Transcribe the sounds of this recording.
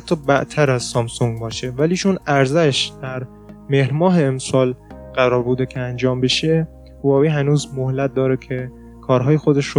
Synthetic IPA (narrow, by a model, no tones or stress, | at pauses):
æt̪ʰːɒːbæʔt̪ʰæɾæzsɒmsoŋɡ̚bɒːʃe̞væliːt͡ʃʰonæɾzæʃd̪̥æɾ | mehɾmɒːɦeːmsɒːlɢ̥æɾɒːɾbuːd̪ecʰeænd͡ʒɒːmbe̞ʃe | hoɒːviːɦænuːzmohlæt̪̚d̪ɒːɾekʰe | kʰɒːɾɦɒːjexod̪e̞ʃɾo